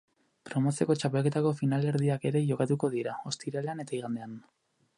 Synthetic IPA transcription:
pɾo̞mo̞se̞ko̞t͡ʃape̞lke̞t̪ako̞finale̞ɾðiake̞ɾe̞ʝo̞kat̪uko̞ð̞iɾao̞st̪iɾaleane̞t̪aiɣ̞and̪e̞an

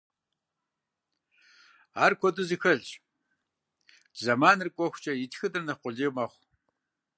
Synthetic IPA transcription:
aːrkʷʰɔdʼʊzixɐɮt͡ʃʼ | zɐmaːnɨrkʷʼɔxʷt͡ʃʼɐjɪtʰxɨdɨrnɐqʷʊɮiːmɐχʷ

